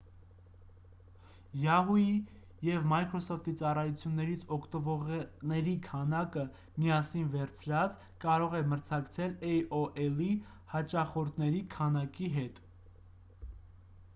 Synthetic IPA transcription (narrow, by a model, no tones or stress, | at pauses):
jɑɦuji | jɛvmɑjkʰɾɔsɔft̪ʰit͡sɑrɑjut͡sʰjunːɛɾit͡sʰɔkʰt̪əvɔʁnɛɾikʰɑnɑkə | miɑsinvɛɾt͡sʰɾɑt͡s | kɑɾɔʁɛməɾt͡sʰɑkt͡sʰɛlɛjɔʔɛli | hɑt͡ʃɑχɔɾt̪nɛɾikʰɑnɑkiɦɛt̪